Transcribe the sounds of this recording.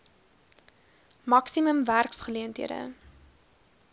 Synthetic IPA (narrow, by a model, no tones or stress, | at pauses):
mɐksiməmværksχəliəntɦiədə̰